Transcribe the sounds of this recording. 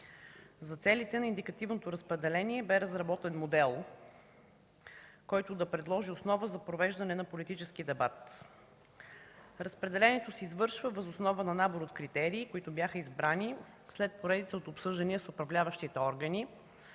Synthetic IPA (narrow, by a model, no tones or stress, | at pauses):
zɐt̪sɛlit̪ɛnɐind̪ikɐt̪ivnot̪oɾɐspɾɛd̪ɛlɛniɛbɛɾəzɾɐbɔt̪ɛnmod̪ɛlˠ | kɔjt̪ʊd̪ɐpɾɛd̪lˠɔʒiosnɔvəzɐpɾovɛʒd̪ɐnɛnɐpolit̪it͡ʃɛskid̪ɛbat̪ | ɾɐspɾɛd̪ɛlɛnɛt̪osɛizvɤɾʃvəvəzosnɔvənɐnaboɾot̪kɾit̪ɛɾiːkoit̪ʊbjaxəizbɾani | slɛt̪̚poɾɛd̪it̪səot̪opsɤʒd̪ɐniəsʊpɾɐvlʲavəʃt̪it̪ɛɔɾɡəni